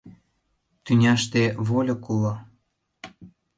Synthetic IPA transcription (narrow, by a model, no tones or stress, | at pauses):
t̪ynʲɑʃt̪eβolʲokulɑ